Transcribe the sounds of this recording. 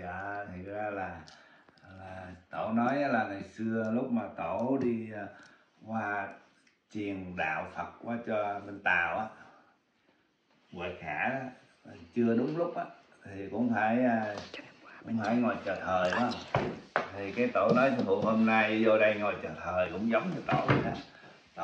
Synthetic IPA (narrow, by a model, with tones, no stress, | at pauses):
əː˨˩t̪ʰə˨˩k̚zaː˧laː˨˩ | laː˨˩t̪o˧˩nɔ˨˦jʔaː˨˦laː˨˩ŋaː˨˩jsɨ˧əlʊ˦˥k͡p̚maː˨˩t̪o˧˩ɗi˧ | kwaː˧ | t͡ɕi˨˩əŋɗa̰ː˧˨wfə˨˩t̚kwaː˨˦t͡ɕɔ˧ɓe˧nt̪a̰ː˨˩wʔaː˨˦ | və̰ː˨xaː˧˩˧ | t͡ɕɨ˧əɗʊ˨˦ŋ͡mlʊ˦˥k͡p̚ʔaː˧˦ | t̪ʰi˨˩kʊ̰˧˥ŋ͡mfaː˧˩jː | kʊ̰˧˥ŋ͡mfaː˧˩jŋɔ˨˩jt͡ɕəː˨˩t̪ʰəː˨˩jɗɔ˨˦ | t̪ʰi˨˩kaː˨˦jt̪o˧˩nɔ˨˦jt̪ʰi˧˨˩ŋhṵ˨˧˨ŋho˧mna˧jzo˧ɗə˧jŋɔ˨˩jt͡ɕəː˨˩t̪ʰəː˨˩jkʊ̰˧˥ŋ͡mzə˨˦wŋ͡mɲɨ˧t̪o˧˩˦ʔaː˧˦ | t̪o˧˨